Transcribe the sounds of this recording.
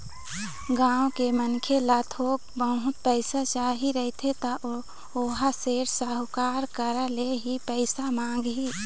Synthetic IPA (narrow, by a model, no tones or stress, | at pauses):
ɡãːwkemənkʰelat̪ʰoːk̚bəɦʊt̪̚pəɪsat͡ʃaːɦiɾəɦt̪ʰet̪aʔ | oːɦaseːɾsaɦkaːɾkəɾaleɦipəɪsamãːŋɡɦi